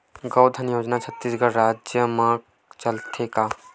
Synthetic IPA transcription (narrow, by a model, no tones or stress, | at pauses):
ɡəwd̪ʱənjoːd͡ʒnat͡ʃʰɐt̪ːiːsɡəɾɾaːd͡ʒjəmãk | t͡ʃɐlt̪ʰeka